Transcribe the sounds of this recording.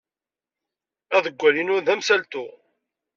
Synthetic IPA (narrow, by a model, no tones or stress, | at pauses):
æðəɡʷːælinʊɾðæmsælt̪ʊ